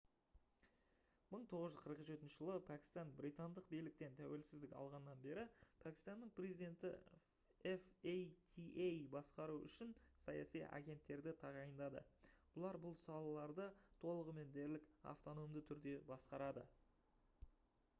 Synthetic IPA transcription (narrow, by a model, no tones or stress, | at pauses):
məɴt̪ʰo̞ʁəzʒʏzqʰəɾəqʒe̞t̪ɪnʃɪʒəlˠəpʰækʲɪ̥st̪ɑnbɾijt̪ɑnd̪əq̚bijlɪk̚t̪e̞nt̪ʰæwe̞lsɪzd̪ɪkʲɑ̰lˠʁɑnəːɑnbe̞ɾɪpʰækʲi̥st̪ɑnːəɴpʰrezijd̪e̞nt̪ɪ̰ | efejt̪ʰiʔejbɑsqɑɾuʏ̰ʃɪnsɑjɑ̰sijʔɑ̰ɡʲe̞nt̪ːe̞ɾd̪ɪt̪ʰɑʁɑjənd̪ɑd̪ə̰b̥ʊlˠɑɾbʊlˠsɑlˠɑlˠɑɾd̪ət̪ʰo̞lˠəʁəme̞nd̪eɾlɪka̰ft̪o̞no̞md̪ət̪ʰʏɾd̪e̞bɑsqɑɾɑd̪ə̰